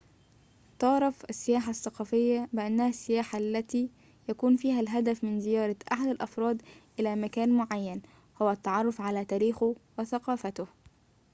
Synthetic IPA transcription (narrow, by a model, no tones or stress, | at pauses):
t̪ɑʕɾˤɑfʔasːɪjaːħaθːɑqɑːfɪjːabɪʔanːæhæsːɪjaːħalːæt̪iː | jækuːnfiːhælɦad̪æfmɪnzɪjɑːɾˤɑʔaħad̪alʔɑfɾˤɑːd̪ʔɪlæːmækæːnmʊʕajːæn | hʊwæʔt̪ːɑʕɑrˤːʊfʕalæːt̪æːɾiːxʊwɪθaqɑːfat̪ʊh